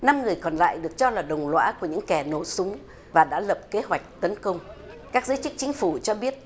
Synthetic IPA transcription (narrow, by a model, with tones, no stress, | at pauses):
na˧mŋɨ˨˩əjkɔ˨˩nla̰ː˧˨jɗɨ˨˩ək̚t͡ɕɔ˧laː˨˩ɗə˨˩wŋ͡mlwa̰ː˧˥ku˧˩əɲɨ̰˧˥ŋkɛ˧˩no˧˩sʊ˨˦ŋ͡m | vaː˨˩ɗa̰ː˧˥lə˨˩p̚ke˨˦ɦwa˨˩jk̟̚t̪ə˨˦nkə˧wŋ͡m | kaː˦˥k̚zəɨ˨˦jt͡ɕɨ˦˥t͡ɕï˨˦ŋ̟fu˧˩t͡ɕɔ˧ɓi˦˥ət̚